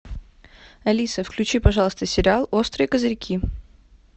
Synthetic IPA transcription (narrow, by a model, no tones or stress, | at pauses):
ɐlʲisəfklʲʉt͡ɕipɐʐɑlˠəst̪əsʲɪɾʲɪalˠo̞st̪ɾɨjkəzɐɾʲɪkʲʰi